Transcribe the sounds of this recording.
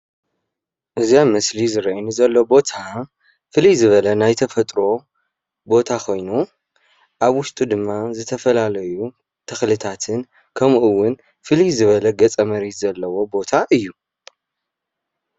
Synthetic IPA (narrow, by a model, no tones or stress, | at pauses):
ʔɨziamɐslizɨɾɐinɨzɐlːobo̞t̪ʰa | fɨlizɨβɐlɐnajt̪ʰɐfɐt̪ʼɾo̞ | bo̞t̪ʰakʰo̞jnu | ʔaβwʊʃt̪ʼud̪ɨmːazɨt̪ʰɐfɐlalɐju | t̪ʰɐxlɨt̪ʰat̪ʰɨn | kʰɐmʔɨwʊn | fɨlizɨβɐlɐɡɐt͡sʼɐmɐɾet̪zɐlːɐwo̞bo̞t̪ʰaʔɨjːu